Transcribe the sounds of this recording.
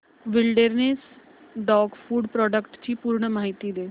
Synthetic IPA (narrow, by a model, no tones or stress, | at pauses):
ʋɪlɖeɾnes | ɖɔːɡpʰuːɖpɾɔːɖəkʈt͡ʃiːpuːɾɳəmaːɪt̪iːd̪eː